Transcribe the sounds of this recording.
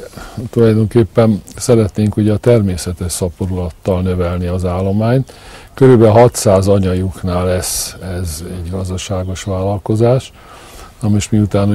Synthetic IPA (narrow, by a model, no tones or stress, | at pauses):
t̪ulɒjd̪oŋkeːpːɛnsɛɾɛt̪neːŋkuɟɛːt̪ɛrmeːsɛt̪ɛʃsɒpoɾulɒt̪ːɒlnø̞vɛlniɒzaːlːo̞maːɲt̪køɾybɛɦɒt̪saːzɒɲɒjuknaːlːɛsɛzɛɟɡɒzd̪ɒʃaːɡo̞ʃʋaːlːɒlko̞zaːʃ | ɒmiʃmiut̪aːnu